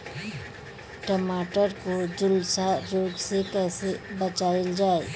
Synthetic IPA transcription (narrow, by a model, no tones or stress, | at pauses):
ʈəmaːʈəɾkod͡ʒʊlsaɾoːɡsekɛːsebət͡ʃaːɪld͡ʒaːe